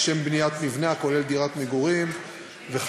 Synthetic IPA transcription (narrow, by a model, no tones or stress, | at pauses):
ʃembnijat̪mivneako̞le̞ld̪iʁat̪meɡuʁim | veχ